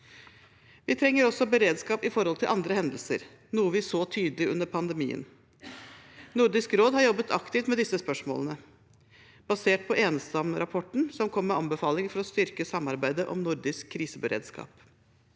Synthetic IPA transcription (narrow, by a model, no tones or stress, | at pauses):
ʋɪt̪ʰɾɛŋːəɾɔsːɔbəɾeːd̪skɑːpɪfɔɾhɔlt̪ʰɪlʔɑnd̪ɾəhɛnd̪əlsə̰ɾ | nuːəʋɪsoːt̪ʰyːd̪əlɪʉ̰nːəɾpʰɑnd̪əmḭːə̰n | nʊɾd̪ɪskɾoːd̪hɑɾjɔbːət̪ʰɑkt̪ɪft̪mɛd̪ɪsːəspœʂmo̰ːlənə | b̥ɑseːʈ̚pʰɔʔeːnsɑmɾɑpʰɔʈɳ̩sɔmkʰɔmːɛɑnbəfɑːlɪŋfɔɾɔst̪ʏɾkəsɑmːɑɾbæɪd̪əʔɔ̰mnʊɾd̪ɪskʰːɾiːsəbəɾḛːd̪skɑ̰ːp